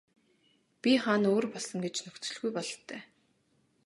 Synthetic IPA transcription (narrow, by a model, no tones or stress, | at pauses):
pʲiχaːnoːrpɔɮsə̆ŋɡet͡ɕnɵxt͡sɵ̆ɮɣujpɔɮt̪ʰːœː